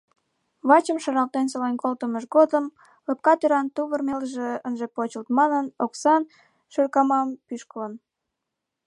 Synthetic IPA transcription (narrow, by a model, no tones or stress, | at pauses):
βɑt͡ɕəmʃɑɾɑlt̪ensolenkolt̪əməʃɣod̪əm | ləp̚kɑt̪øɾɑnt̪uβərmelʒeənʒepot͡ɕəlt̪mɑnənoksɑn | ʃørkɑmɑmpyʃkələn